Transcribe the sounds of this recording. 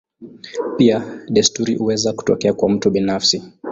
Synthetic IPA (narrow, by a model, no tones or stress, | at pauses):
piaɗɛstuɾihuwɛzaku̥tɔ̰kɛakwam̩tuɓinafsi